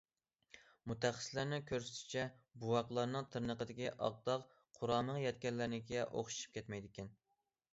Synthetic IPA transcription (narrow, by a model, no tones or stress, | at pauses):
mut̪æχə̥slæɾnɪkʲʰøɾsɪ̥t̪ʰɪ̥t͡ʃʰɛbuwɑqlˠɑɾnɨŋt̪ʰɨɾnəqəd̪ɪkʲiʔɑ̰q̚d̪ɑq | qʰʊɾɑːməŋjɛt̪̚kʲɛlːɪɾnɪɡʲɛʔo̰χʃu̥ʃu̥p̚kʲʰɛt̪mɛjd̪ɪkʲɛn